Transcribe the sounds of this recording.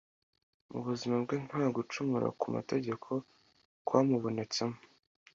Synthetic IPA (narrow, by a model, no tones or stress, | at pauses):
mṵβuzimab̚ɡeːn̥haːɡut͡ʃumuɾa̰kuma̰te̞ɟe̞kʰo̞ | kwaːmuβo̞ne̞t͡se̞mo